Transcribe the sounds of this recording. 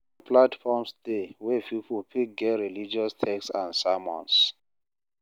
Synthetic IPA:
platfɔmsdewɛpipʰulpʰik̚ɡɛɹilid͡ʒiɔstʰɛksã̰ndsamɔ̰̃ns

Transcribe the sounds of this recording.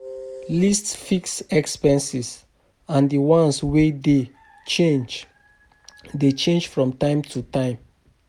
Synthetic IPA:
listsfiksɛkspɛ̃nsis | ãndiwɔ̃nswede | t͡ʃed͡ʒ | det͡ʃẽnd͡ʒfɹɔ̃mtãɪ̃mtʰutãɪ̃m

